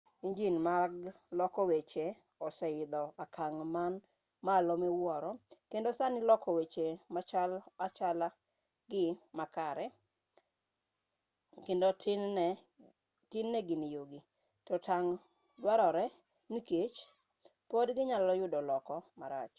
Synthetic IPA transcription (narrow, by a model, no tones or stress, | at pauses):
iɲd͡ʒinmaɡ | lɔkɔwet͡ʃe | ɔsɛɪd̪ɔakʰaŋman | malɔmewɔɾɔkendosanɪlɔkɔwet͡ʃemat͡ʃalat͡ʃala | ɡɪmakaɾɛ | kendot | tɪnːɛɡɪnijoɡi | tɔtaŋ | dwaɾɔɾɛ | niket͡ʃ | podɡɪɲalɔjʊdɔlɔkɔmaɾa̰t͡ʃ